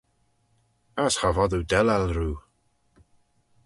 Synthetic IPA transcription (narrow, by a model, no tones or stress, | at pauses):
asxavɔðuwdɛlalruː